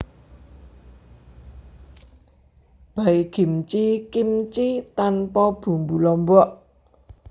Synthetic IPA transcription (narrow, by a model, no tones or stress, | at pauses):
b̥aiɡ̥i̤mt͡ʃikimt͡ʃit̪anpɔb̥ṳmbulɔmbɔʔ